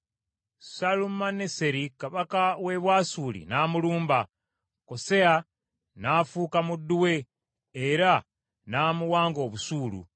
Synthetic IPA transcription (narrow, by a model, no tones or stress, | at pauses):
salumanese̞ɾikaβakawe̞βwaːsuːlḭnaːmuluːmba | kose̞a | naːfuːkamudːuwe̞ | eɾa | naːmuwaːŋɡo̞ːβusuːlṵ